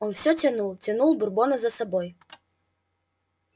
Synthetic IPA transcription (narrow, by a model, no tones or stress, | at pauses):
ɔnfsʲɔt͡sʲanulˠt͡sʲanulˠburbɔnɐzɐsɐbɔj